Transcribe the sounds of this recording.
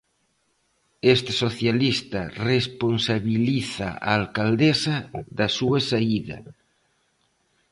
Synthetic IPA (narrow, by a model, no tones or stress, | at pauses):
est̪esoθjalist̪aresponsaβiliθa̰a̰ːlkald̪esaðasuasaiðɐ̰